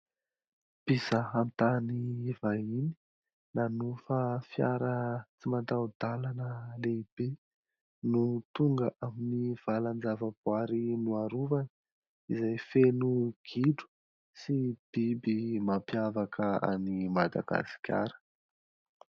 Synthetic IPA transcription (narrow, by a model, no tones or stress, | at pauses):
b̥isaɦamit̪anivaini̥ | nanufəfjaɾət͡simant̪awd̪̥alanəleib̥e | nut̪uŋɡəʔaminiv̥aland͡zavəbwaɾinuaɾuvanə | izajfenuɡ̥iɖ͡ʐu̥ | sib̥ibimapjavakəa̰nimad̪a̰ɡ̥a̰si̥kʲʰa̰ɾə̥